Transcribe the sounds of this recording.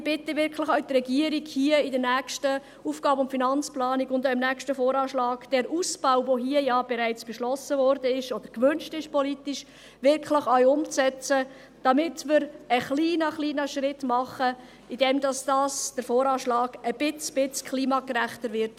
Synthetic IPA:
b̥ɪtəvɪɾkχlɪχœɥtrɛɡiəɾiɡhiːəɪdəɾnæːkʃtə | uːfɡ̥ɑːbəʊntfinɑnt͡splɑːniɡʊndɔɪmnækʃtəfɔːɾɑːʃlɑːɡ̥d̥ɛɾʔuːsb̥aʊvoɦiəjɑb̥ɛɾæɪt͡sb̥ɛʃlɔsəvɔɾdəɪʃɔd̥̪əɾkʋʏnʃtɪʃpʰɔlitiʃ | ʋɪɾkχləχœʏʊmt͡sɛt͡sə | d̥ɑmɪtmɪɾəχliːnəχliːnəʃɾɪtmɑχə | id̥ɛmdɑsd̥ɑːsd̥əɾfɔːɾɑːʃlɑːɡəb̥ɪt͡sb̥ɪt͡skʰχliːmɑːkəɾæχtəɾʋɪɾt

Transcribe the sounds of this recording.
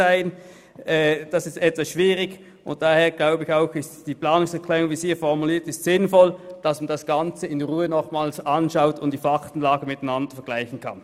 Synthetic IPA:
aɪn | ɛːd̥asɪstɛtvasʃv̥iːʁɪɡ | ʔʊ̰nt̚d̥aːheːɐɡ̥laʊbəɪçaʊxɪstd̥iːplaːnʊŋsɛɐkʰl̥ɛːʁʊŋviːsiːɐfɔʁmuliːɐtɪstsɪnfɔld̥asmand̥asɡ̥ant͡səɪnʁuːənɔχmaːlsʔanʃaʊtʊntd̥iːfaktn̩laːɡəmɪtaɪnandəɐfɛɐɡ̥laɪçn̩kʰa̰n

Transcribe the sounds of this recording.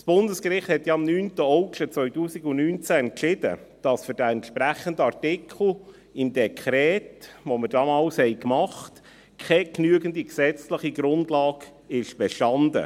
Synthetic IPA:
sb̥ʊndəskɾɪχt̪hɛt̪jɑɑmnyːntəɔʊkʃət͡sʋœʏtuːsikʊnnyːnt͡sæɛnkʃɪd̥̪ə̰d̥ɑsfʏɾd̥æɛntʃpɾæχəndəɑrtɪkʰl̩ˠ | ɪmd̪ɛkʰχɾɛːtʋomədɑmɑːlshɛɪkmɑχt | kʰɛknyəɡəndiksɛt͡sləχiɡɾʊndlɑːɡ | ɪʃb̥ɛʃtɑnd̪ə̰

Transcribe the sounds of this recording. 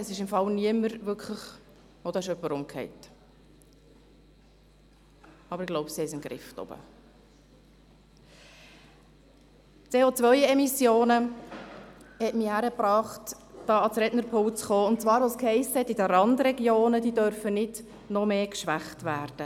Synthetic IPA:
ɛsɪʃɪmfɑlniəməɾvʏkʰləχ | od̥̪ɑɪʃœpːəɾʊmkʰhɛ̰ɪt | ɑbəɾɪɡ̥loʊbsihɛɪɪmɡɾɪ̰ftɔ̰b̥ə̰ | t͡seːot͡svœʏɛmisjoːnə | hɛtmihæɾəpɾɑːχtd̥ɑːɑsɾɛdnəɾpʰʊlt͡sχoːʊnt̚t͡svɑːɾʋoskhɛɪsəhɛtːidəɾɑndɾɛɡjoːnədiːdœɾfənɪd̥ | nɔmeːkʃʋæχtvæːɾd̥ə

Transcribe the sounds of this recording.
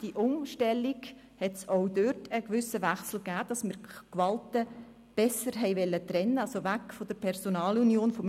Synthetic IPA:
d̥iʔʊŋʃtɛlːiɡ | hɛtsɔʊdøɾtʰəɡʋʏsəʋæχsl̩ɡæːd̥ɑsmɪɾkʋɑltə | b̥ɛsəɾɦɛɪʋɛlːət̪ɾɛnːəɑsoʋækfod̥̪əɾpʰɛɾsonɑːlunjoːnfɔm

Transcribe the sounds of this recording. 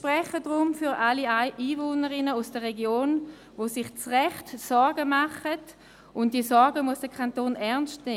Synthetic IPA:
ʃpʁɛχədʁʊmfyʁʔaliaɪʔiːvoːnəʁɪnəusd̥əʁeɡjoːn | vosɪχt͡sʁɛχtsɔɾɡəmaχət | ʊntd̥iəsɔɾɡəmuəsd̥əkʰantoːnɛɐnstne

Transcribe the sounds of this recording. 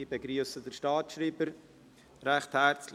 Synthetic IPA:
ibeɡɾyːəsədəɾʃtɑːtʃɾiːbəɾ | ɾɛχthæɾt͡sl

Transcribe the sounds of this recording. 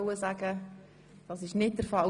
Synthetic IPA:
ʊəzaɡə | d̥ɑsɪʃnɪt̚dəɾfɑl

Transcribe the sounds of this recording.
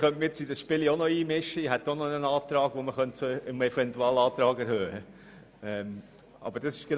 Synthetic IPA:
χœntməɪt͡sid̥əsʃpɪlionoiːmɪʃːəiɦɛt̪ːononənɑːtɾɑːɡ̥ʋoməχœntt͡soɪmɛfɛntuɑːlɑːtɾɑːɡɛɾhøːhə | ɛm | ɑ̰bəɾd̥ɑsɪʃɡ̥en

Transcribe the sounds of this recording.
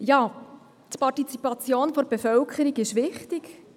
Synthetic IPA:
jɑː | t̪pɑrtit͡sipɑt͡sjoːnfɔɾbefœlkʰəɾiɡɪʃʋɪχtik

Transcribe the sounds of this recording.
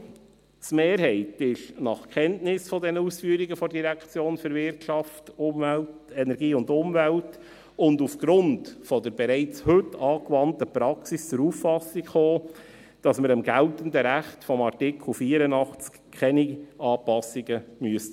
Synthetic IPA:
smeːɾɦɛɪtɪʃnɑχkχɛntnɪsfɔdɛnəusfyəɾiɡəfɔdiɾækt͡sjoːnføɾvɪrtʃɑftʊmvælt | ɛnɛɾɡiːʊndʊmvælt | ʊndufɡ̥ɾʊntfɔd̪əɾbɛɾɛɪt͡shɵtːɑːkvɑntəpɾɑksist͡sʊɾuffːɑsikχoː | d̥ɑsməɾəmɡæltəndəɾæχtfɔmɑɾtɪkl̩ˠfiːəɾənɑχt͡skʰɛniɑːpɑsiɡəmyəstə

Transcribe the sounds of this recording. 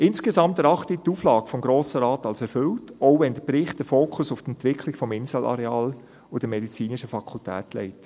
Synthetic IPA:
ɪnsɡ̥ezɑmtɛɾɑχtituːflɑːɡfɔmɡɾoːsəɾɑːtɑlsɛɾfʏltɔʊʋɛndəpɾɪχtd̥əfoːkʰʊsʊfdɛntvɪkʰlɪɡfɔmɪnzəlʔɑ̰ɾɛɑːl | ʊd̥əmɛdit͡siːnɪʃəfɑkʰultʰæ̰ːtlɛ̰ɪt

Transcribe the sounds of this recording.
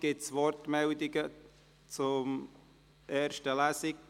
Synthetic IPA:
ɡ̥ɪtt͡sʋɔrtmɛldɪɡə | t͡sʊm | ʔeːɾʃtəlæsɪk

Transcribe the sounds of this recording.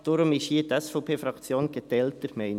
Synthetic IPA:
d̥ʊɾʊmɪʃhiːətɛsfɔʊpʰeːfɾɑkt͡sjoːnɡ̥et̪ɛltəɾmɛɪn

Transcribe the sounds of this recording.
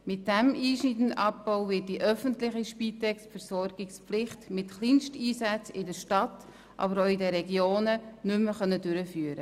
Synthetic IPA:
mɪt̚d̥ɛmiːʃnitən̩ʔɑp̚b̥ɔʊvɪːt̚d̥iʔœfəntlɪχiʃpiːtɛksfəɾsɔɾɡ̥ɪksplɪχtmɪtχlinʃtiːsæt͡sɪdəɾʃtɑtː | ʔɑ̰bəɾoːɪdəɾɛɡjoːnənʏmːəχœnːədʏɾəfyːəɾə

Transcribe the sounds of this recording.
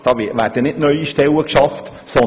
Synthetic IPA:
d̥ɑːvɪʋæːrd̥ənɪtnœʏiʃtɛləkʃɑft | sɔ

